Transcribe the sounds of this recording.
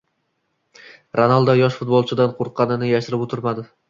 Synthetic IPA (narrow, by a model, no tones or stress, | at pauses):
ɾanalˠd̪ajɒʃfʊt̪̚bolˠt͡ʃʰɪd̪anqʰoɾqʰːɑnɪnɪjaʃɪɾɪpot̪ʰɪɾmad̪ɪ